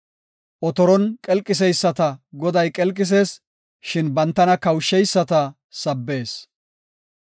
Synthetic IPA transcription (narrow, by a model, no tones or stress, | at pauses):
ʔɔt̪ɔɾɔnkʼɛlkʼːɪs̬ɛjsːɐt̪ɐɡɔd̪ɐjkʼɛlkʼːɪs̬e̞ːs | ʃɪnbɐnt̪ːɐnɐkɐwʃːɛjsːɐt̪ɐ | sɐbːe̞ːs